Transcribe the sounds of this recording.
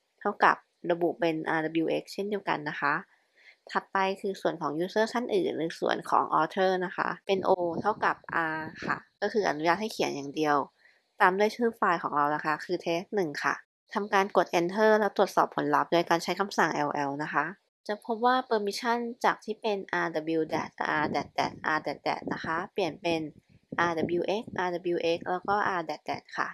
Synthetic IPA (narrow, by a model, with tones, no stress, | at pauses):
t̪ʰa˥˩wka̰˨˩p̚ɾa˧bu˨˩pe˧nʔaː˧da˧bi˧wʔeː˦˥k̚t͡ɕʰe˥˩ndi˧əwka̰˧nːa˦˥xʰa˦˥ʔ | t̪ʰa˧˥t̪̚pa˧jkʰɯː˧su˨˩ənkʰɔː˩˦ŋjuː˧˥sɤː˥˩t͡ɕʰa˥˩nʔɯ̰ː˨˩nɾɯː˨˦sṵ˨˩ənkʰɔ̰ː˩˦ŋʔɔ̰ː˧t̪ʰɤː˥˩na˦˥xʰa̰˦˥ʔpe˧nʔoː˧t̪ʰa˥˩wka˨˩p̚ʔaː˧kʰa̰˥˩kɔː˥˩xɯː˧ʔa̰˧nu˦jaː˥˩t̪̚ha˥˩kʰi˨˩˦ənjaː˨˩ŋdi˧əw | t̪aː˧mdu˥˩əjt͡ɕʰɯː˦˥faː˧jkʰɔː˩˦ŋɾa˧wna˦˥kʰa˦˥kʰɯː˧t̪ʰeː˦˥nɯ˨˩ŋkʰa̰˥˩ | t̪ʰa˧mkaː˧nku˨˩ət̪̚ʔe˧nt̪ʰɤː˥˩lɛː˦˥t̪ɾu˨˩ət̪̚sɔː˨˩pʰːo˩˦nla˦˥p̚doː˧jkaː˧nt͡ɕʰa˦˥jkʰa˧msa˨˩ŋʔɛː˧wʔɛ˧wna˦˥xʰa˦˥ʔ | t͡ɕa˨˩pʰo˦˥p̚waː˥˩pɤː˧mi˦˥t͡ɕʰa˥˩nt͡ɕaː˨˩k̚t̪ʰiː˥˩pe˧nʔaː˧da˨˧biː˧wdɛ̰ː˨˩t̪̚ʔa̰ː˧dɛː˨˩t̪̚dɛ̰ː˨˩t̪̚ʔaː˧dɛː˨˩t̪̚dɛ̰ː˨˩t̪̚na˦˥xʰa˦˥pli˨˩ənpe˧n | ʔaː˧da˨˩biː˧ʔe˦˥k̚ʔaː˧da˨˧˩biː˧ʔe˦˥k̚lɛː˦˥wkɔː˥˩ʔaː˧dɛː˨˩t̪̚dɛ̰ː˨˩t̪̚kʰa̰˥˩